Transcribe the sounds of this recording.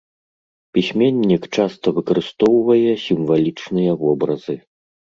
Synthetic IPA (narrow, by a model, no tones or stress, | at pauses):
pʲisʲmʲenʲːikt͡ʂast̪ɐvɨkɐɾɨst̪ɔwvɐjɛsʲimvalʲit͡ʂnɨjɐvɔbɾɐzɨ